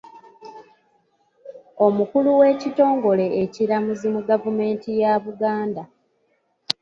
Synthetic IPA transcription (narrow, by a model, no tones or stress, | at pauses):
o̞mukuluwe̞ːcito̞ːŋɡo̞le̞eciɾamuzimuɡavume̞ːntijaβuɡaːnda